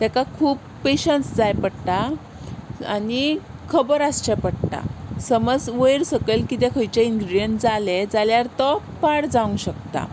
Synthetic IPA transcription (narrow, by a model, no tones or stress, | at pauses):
t̪ɛkakʰuːpːeɕənsd͡zajpəɽʈ̪a | a̰nikʰəbəɾast͡ɕapəɽʈa̰səməd͡zʋəjɾsəkəjlkit̪ekʰəjt͡ɕeiŋɡɾiɖijənsd͡zaled͡zaljaɾt̪ɔ | paɽd͡zaʋũŋɕək̚t̪a̰